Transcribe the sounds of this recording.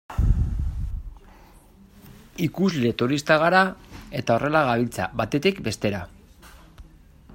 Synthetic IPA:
ikuzle̞t̪uɾist̪aɣ̞aɾae̞t̪ao̞rʔe̞laɣ̞aβ̞ilt͡sa̰βat̪e̞t̪ikbe̞st̪e̞ɾa

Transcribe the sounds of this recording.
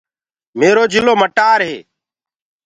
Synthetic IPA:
meːɾoːd͡ʒʱɪloːməʈaːɾɦḛː

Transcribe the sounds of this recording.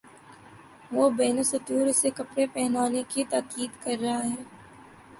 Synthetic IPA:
ʋoːbɛːnosɐt̪uːɾsekɐpɽepɛɦnaːnekit̪aːkiːd̪kɐɾːɐɦaɦɛː

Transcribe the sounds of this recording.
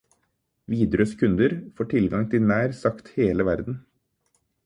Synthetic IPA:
ʋiːd̪ɾøːskʰʉnd̪əɾfoːʈʰɪlɡɑŋt̪ʰɪlnæːɾsɑkt̪heːləʋæɾd̪n̩

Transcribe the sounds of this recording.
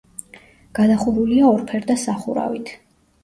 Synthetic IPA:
ɡ̥ad̪aχuɾuliaɔɾpʰɛɾd̪asaχuɾa̰vit̪ʰ

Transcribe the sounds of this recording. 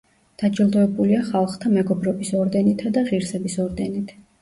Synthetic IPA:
d̪̥ad͡ʒilˠd̪ɔɛbuliaχalˠχt̪ʰamɛɡɔbɾɔbisɔɾd̪ɛnit̪ʰad̪aʁiɾsɛbisɔɾd̪ɛnit̪ʰ

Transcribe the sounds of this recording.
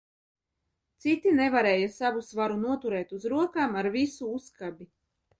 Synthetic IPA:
t̪sit̪inevaɾɛːjasavusvaɾunuɔt̪uɾɛːt̪uzɾuɔkaːmaɾvisuuskabi

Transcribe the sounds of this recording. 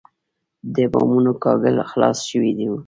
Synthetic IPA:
d̪əbɑmunokɑɡəlxlɑsʃəwid̪iu

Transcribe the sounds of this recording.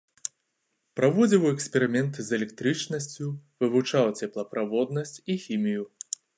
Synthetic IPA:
pɾavɔd͡zʲiwɛksʲpʲɛɾɨmʲɛnt̪zɛlʲɛk̚t̪ɾɨt͡ʂnɐsʲt͡sʲuvɨvut͡ʂawt͡sʲɛplˠɐpɾʔavɔd̪nɐsʲt͡sʲixʲimʲiju

